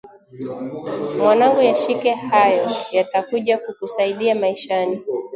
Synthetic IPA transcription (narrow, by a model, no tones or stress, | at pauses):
mwanaŋɡujaʃikɛhajɔjatakuʄakukusaiɗiamaiʃani